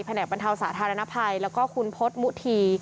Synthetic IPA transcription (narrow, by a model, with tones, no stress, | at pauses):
pʰa˧nɛː˨˩k̚ba˧nt̪ʰa˧wsaː˩˦t̪ʰaː˧ɾa˧na˦˥pʰa˧jlɛː˦˥wkɔː˥˩kʰu˧npʰo˦˥t̪̚mu˦˥t̪ʰiː˧